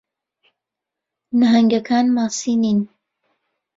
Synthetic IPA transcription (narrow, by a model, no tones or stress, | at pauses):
naɦɐŋɡɐkʰaːnmaːsiːniːn